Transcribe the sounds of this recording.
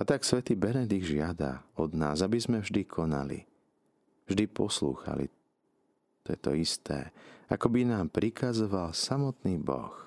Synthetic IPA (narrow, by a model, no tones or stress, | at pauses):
at̪aksʋɛt̪iːbɛnɛd̪iɡʒɪad̪a̰ɔd̪na̰ːzabizmɛvʒd̪ikʰɔna̰lḭ | vʒd̪ipɔslṵːxa̰lḭ | t̪ɔjɛt̪ɔ̰ist̪ʰɛ̰ːa̰kɔbinaːmpɾikʰazɔʋalsamɔt̪niːbɔ̰x